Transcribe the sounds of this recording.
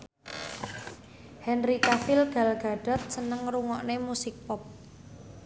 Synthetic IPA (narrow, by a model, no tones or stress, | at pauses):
hɛnrikafɪlɡ̥a̤lɡ̥a̤ɖ̥ɔ̤t̪̚sənəŋɾuŋɔʔnemusɪk̚pɔp̚